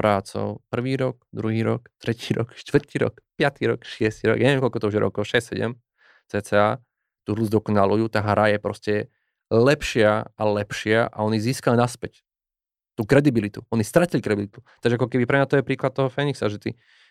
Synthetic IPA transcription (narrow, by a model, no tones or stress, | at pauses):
pɾaːt͡sɔ̰ʊpr̩ʋiːɾɔkd̪ɾuɦiːɾɔkt̪ɾɛciːɾɔ̰kʃt̪ʋr̩t̪iːɾɔ̰kpɪat̪iɾɔ̰kʃɪɛst̪iɾɔ̰ɡjaɲɛʋɛmkɔlkɔt̪ɔuʒɛɾɔ̰kɔʊʃɛssɛɟɛ̰m | t͡sɛːt͡sɛːaː | t̪uːɦlud͡zd̪ɔkɔnalujuːt̪aːɦɾajɛpɾɔscɛ | lɛpʃɪaʔalɛpʃɪaʔa̰ɔniziːskalinaspɛc | t̪uːkɾɛd̪ibilit̪uɔnist̪ɾacilikɾɛdbilit̪u̥t̪aɡʒɛakɔkɛbipɾɛmɲat̪ɔjɛpɾiːklat̪̚t̪ɔɦɔfɛːniksaʒɛt̪i